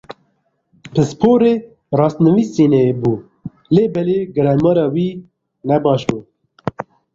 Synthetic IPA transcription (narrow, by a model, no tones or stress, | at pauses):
pʰɨspʰoːɾeː | rɑːst̪nɨviːsiːnɛjebuː | leːbɛleɡɨɾɛlmɑːɾɑːwiː | nɛbɑːʃbuː